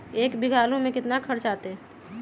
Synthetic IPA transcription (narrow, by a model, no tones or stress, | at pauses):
eːkbiɡʱaːlõmẽkɪt̪nakʰəɾt͡ʃat̪e